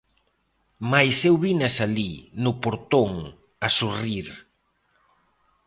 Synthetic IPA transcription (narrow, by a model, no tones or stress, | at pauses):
majsewβiɲasalinʊpoɾt̪oŋ | asuriɾ